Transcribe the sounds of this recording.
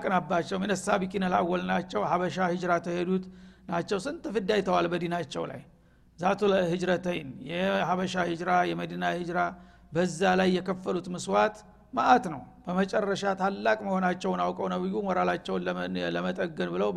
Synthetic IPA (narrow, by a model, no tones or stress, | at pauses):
kʼɨnabːat͡ʃːɛwmjnəsabikʼinəla̰wːɔlnat͡ʃːɛwhaβəʃahɨd͡ʒɾat̪ʰəhed̪ut̪nat͡ʃːɛwsɨnt̪ʰʼɨfɨd̪ajt̪ʰəwalbəd̪inat͡ʃːɛ̰wla̰j | zat̪ʰulhɨd͡ʒɾət̪ʰəjnjɛhaβəʃahɨd͡ʒɾajɛməd̪inahɨd͡ʒɾa | bəzːalajːɛkʰəfːəlut̪mɨswat̪ | maʔat̪nəw | b̥əmət͡ʃʼɛrːəʃat̪ʰalːakʼməho̞nat͡ʃːɛwnawkʼəwnəbɨjumoɾalat͡ʃːɛwnləmət̪ʼəɡːənbɨləw